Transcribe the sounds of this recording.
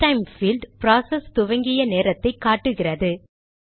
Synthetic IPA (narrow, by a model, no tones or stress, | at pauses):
ʈɐɪmfilɖpɾaːsɐst̪ʊʋɐŋɡɪjɐneːɾɐt̪ːɐɪkːaːʈːɯɣɪrɐðɯ